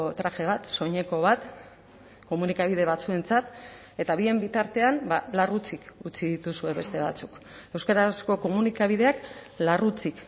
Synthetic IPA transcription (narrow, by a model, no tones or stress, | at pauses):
t̪ɾaxe̞β̞at̪so̞ɲe̞ko̞β̞at̪ | ko̞munikaβ̞iðe̞βat͡sue̞nt͡sat̪ | e̞t̪aβ̞ie̞mbit̪aɾt̪e̞ambalarut͡sikut͡siðit̪usue̞βe̞st̪e̞βa̰t͡suk | e̞wskaɾasko̞ko̞munikaβið̞e̞ak | larut͡sik